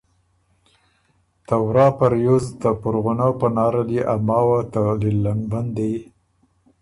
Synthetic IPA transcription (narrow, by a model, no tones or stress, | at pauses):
t̪awɾɑpaɾjuzd̪əpʊɾɣʊnapənɑɾaliʔamɑwat̪alilːaŋband̪ej